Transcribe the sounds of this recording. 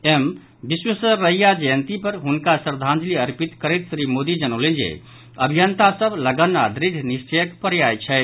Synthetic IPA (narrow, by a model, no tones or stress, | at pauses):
em | biswəsəɾəijad͡ʒəjənt̪ipəɾɦunkasəɾd̪ʱãnd͡ʒliəɾpit̪kəɾet̪sɾimod̪id͡ʒənəʊlend͡ʒḛ | əbʱijənt̪asəbləɡənːad̪ɾid̪ʱjnist͡ʃəjəkpəɾjajt͡ʃʰɛt̪